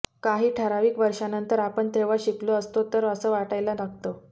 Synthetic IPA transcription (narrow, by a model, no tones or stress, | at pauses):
kaɦiːʈʰəɾaʋiːkʋəɾʂanənt̪əɾapəɳt̪ʰeʋaɕikloəst̪ot̪əɾəsəːʋaʈajlanaɡ̚t̪o